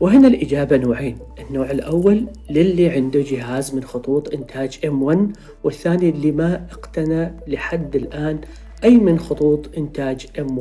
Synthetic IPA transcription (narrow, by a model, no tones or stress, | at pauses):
wɪɦɪnalʔɪd͡ʒaːbanoːʕeːnʔɪnːoːʕɪlʔawːalː | ɪlːiʕɪnd̪ud͡ʒɪɦaːzmɪnxʊt̪ˤuːt̪ˤʔɪnt̪ʰaːd͡ʒʔɪmwanː | wɪθːaːnilːimaʔɪqt̪analɪħad̪ːɪlʔaːn | ʔajːmɪnxʊt̪ˤuːt̪ˤʔɪnt̪aːd͡ʒʔɪma